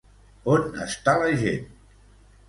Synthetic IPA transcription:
onə̰st̪alɐʒḛn

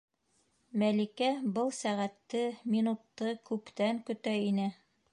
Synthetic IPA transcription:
mælikæbɤlˠsæʁæt̪ːɘminut̪ːɤkʉpt̪æŋkɵ̆t̪æinɘ

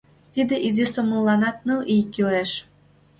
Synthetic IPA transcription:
t̪id̪ɘ̆ʔizʲesomɤ̆lˠːɑnɑt̪̚nɯʔijkʲːyɾeʃ

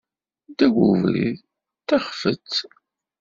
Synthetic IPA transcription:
d̪æɡuvɾḭð | tːaχfət͡sː

